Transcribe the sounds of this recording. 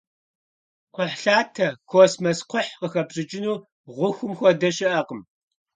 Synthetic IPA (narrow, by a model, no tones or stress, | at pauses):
qʷɔħɬaːtʰɐkʷʰosmɐsqʷʰʊħqəxɐbɕʼɨt͡ʃʼɪnuː | ʁʷʊxʷʊmxʷɔdɐʃɪʔɐqəm